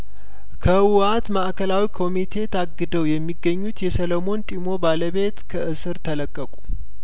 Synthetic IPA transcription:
kʰəwat̪maʔkʰəlawikʰo̞mit̪ʰe̞t̪ʰaɡːɨd̪əwjɛmːiɡːəɲːut̪jɛsəlomo̞nt̪ʼimo̞baləβe̞t̪kʰəʔɨsɨɾt̪ʰələkʼːəkʼu̥

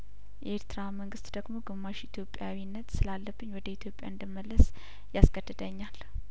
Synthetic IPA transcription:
jɛeɾt̪ɨɾaməŋɡɨst̪d̪əɡmo̞ɡɨmːaʃit̪ʰjo̞pʼjawinːət̪sɨlalːəbːɨɲwɔd̪əit̪ʰjo̞pʼja̰ɨnd̪əmːəlːəs | jasɡəd̪ːɨd̪əɲːal

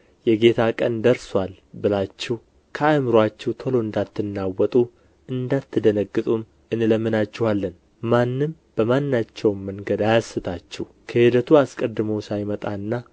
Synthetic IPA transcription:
jɛɡe̞t̪ʰakʼənd̪əɾswal | bɨlat͡ʃːɪh | kʰəamɨɾwat͡ʃːɛht̪ʰolo̞ɨnd̪at̪ʰːɨnːawːɔt̪ʼu | ɨnd̪at̪ːɨd̪ənəɡːɨt̪ʼum | ɨnləmːɨnat͡ʃːɪhalːən | manːɨm | b̥əmanːat͡ʃːɛwmːəŋɡəd̪ajasːɨt̪ʰat͡ʃːɛh | kʰəhɪd̪ət̪ʰuaskʼəd̪ːɨmowsajmət̪ʼanːa

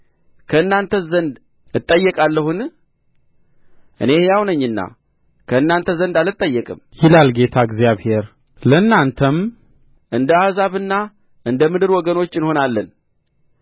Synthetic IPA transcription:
kʰəɨnːant̪ʰəzənd̪ | ɨt̪ʼːəjːɛkʼalːəhun | ʔɨ̰ne̞hjawnəɲːɨnːa̰ | kʰəɨnːant̪ʰəzənd̪alɨt̪ʼːəjːɛkʼɨmjɪlalɡe̞t̪ʰaɨɡzjaβhe̞ɾ | ləɨnːant̪ʰəm | ʔɨnd̪əahzaβɨnːa | ʔɨnd̪əmɨd̪ɨɾwɔɡəno̞t͡ʃːɨnho̞nalːən

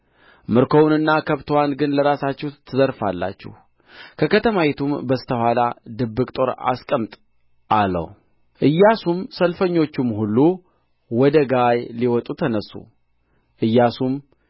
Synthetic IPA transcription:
mɨɾkʰo̞wnɨnːakʰəβt̪ʰowanɡɨnləɾasat͡ʃːɛht̪ʰːɨzəɾfalːa̰t͡ʃːɛ̰h | kʰəkʰət̪ʰəmajet̪ʰumbəst̪ʰəhʷalad̪ɨbːɨkʼt̪ʼo̞ɾa̰skʼəmt̪ʼ | ʔalə̰w | ʔɨjːasumsəlfəɲːo̞t͡ʃːumɦulːu | wɔd̪əɡajliwɔt̪ʼut̪ʰənəsːṵ | ʔɨjːasum

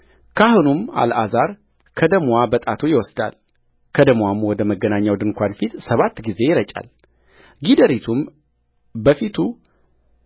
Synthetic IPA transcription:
kʰahunuma̰lazaɾ | kʰəd̪əmwabət̪ʼat̪ʰojɪwɔsd̪a̰l | kʰəd̪əmwamwɔd̪əməɡːənaɲːawd̪ɨnkʷanfit̪səβat̪ːɡize̞jɪɾət͡ʃʼa̰l | ɡid̪əɾit̪ʰum | bəfit̪ʰu

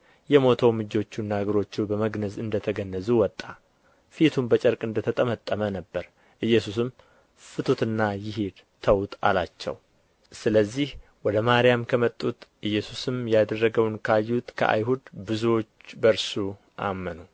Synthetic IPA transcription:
jɛmo̞t̪ʰəwmɨd͡ʒo̞t͡ʃːunːaɡəɾo̞t͡ʃːubəməɡnəzɨnd̪ət̪ʰəɡənːəzuwɔt̪ʼːa | fit̪ʰumbət͡ʃʼəɾkʼɨnd̪ət̪ʰət̪ʼəmət̪ʼːəmənəbːəɾ | ʔɨjːɛsusɨm | fɨt̪ʰut̪ɨnːajɪɦed̪ | t̪ʰəwt̪ʼa̰lat͡ʃːɛ̰w | sɨləzːihwɔd̪əmaɾɪjamkʰəmət̪ʼːut̪ʔɨjːɛsusɨmjad̪ərːəɡəwnkʰajːut̪kʰə̰ʔa̰jɦud̪bɨzuot͡ʃːbəɾsu | ʔa̰mːənu

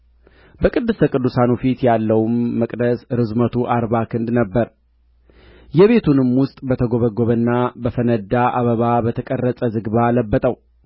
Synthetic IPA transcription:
bəkʼɨd̪ːɨst̪ʰəkʼɨd̪ːusanufit̪jalːəwmːəkʼd̪əsɾɨzmət̪ʰuʔaɾβakʰɨnd̪nəbːəɾ | jɛβe̞t̪ʰunɨmwʊst̪ʼbət̪ʰəɡoβəɡoβənːabəfənəd̪aʔaβəβabət̪ʰəkʼərːəsʼəzɨɡβaləbːət̪ʼəw

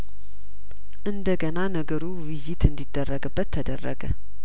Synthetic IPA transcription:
ʔɨnd̪əɡənanəɡəɾuwɪjːɪt̪ɨnd̪id̪̥ːərːəɡɨbːət̪ʰːəd̪ərːə̰ɡə̰

